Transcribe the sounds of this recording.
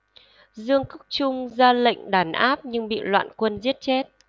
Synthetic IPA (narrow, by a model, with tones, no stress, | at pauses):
zɨ˧əŋkʊ˦˥k͡p̚t͡ɕʊ˧ŋ͡mzaː˧lə̰˧˨jŋ̟ɗaː˨˩˦nʔaː˦˥p̚ɲɨ˧ŋɓḭ˧˨lwa̰ː˧˨nkwə˧nzi˦˥ət̚t͡ɕɛ˦˥t̚